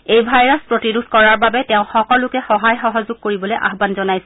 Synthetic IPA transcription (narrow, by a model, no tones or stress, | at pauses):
ejbʱajɹaspɹotiduskɔɹaɹbabɛtɛʊ̃xɔkɔlʊkɛxɔɦajxɔɦɔzʊɡ̚koɹibɔlojʔa̰ɦbanzɔnajsɛ